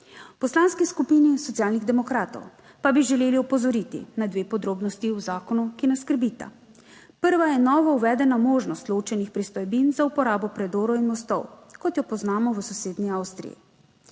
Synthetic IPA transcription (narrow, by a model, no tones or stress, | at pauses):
pɔslanskiskupinisɔt̪sijaːlniɣd̪ɛmɔkɾaːt̪ɔ̰w | pabiʒɛleːliɔpɔzɔɾit̪ḭnad̪ʋeːpɔd̪ɾoːbnɔst̪iuzaːkɔnukinɛskəɾbit̪a̰ | pəɾʋajɛnɔːʋɔuʋɛːd̪ɛnamoːʒnɔst̪loːt͡ʃɛnixpɾist̪ɔjbinzaupɔɾaːbɔpɾɛd̪oːɾɔinmɔst̪ɔwkɔt̪jɔpɔznaːmɔʋəsɔseːd̪niawst̪ɾḭjḭ